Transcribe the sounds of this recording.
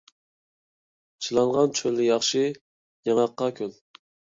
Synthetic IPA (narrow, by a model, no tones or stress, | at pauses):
t͡ʃʰilˠɑŋʁɑnt͡ʃʰølːɪjɑχʃɨ | jɑŋɑqːɑkʲʰyn